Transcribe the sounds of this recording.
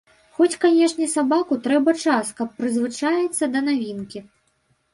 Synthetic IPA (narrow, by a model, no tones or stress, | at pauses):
xɔt͡sʲkanʲɛʂnʲɛsabakut̪ɾɛbɐt͡ʂaskɐpːɾɨzvɨt͡ʂajɛt̪sːɐd̪ɐnavʲinkʲi